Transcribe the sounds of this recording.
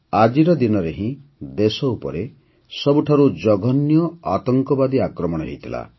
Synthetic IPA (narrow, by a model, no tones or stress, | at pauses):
ad͡ʒiɾɔd̪inɔɾeɦĩd̪esɔupɔ̰ɾe | sɔbuʈʰaɾud͡ʒɔɡʱɔnjɔat̪ɔŋkɔbad̪iakɾɔmɔɽ̃ɔɦḛjt̪ʰila̰